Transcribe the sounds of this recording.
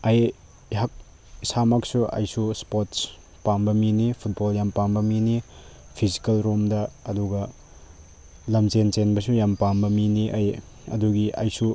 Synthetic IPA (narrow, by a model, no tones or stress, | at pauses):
ɐj | ɦak̚ | isamaksuɐ̰jsuspots | pambɐminipʰut̚boljampambɐminipʰizi̥kalɾumdɐːduɡɐ | lɐmt͡ʃensenbɐsujampambɐminiʔaj | ɐ̰duɡiʔɐ̰jsu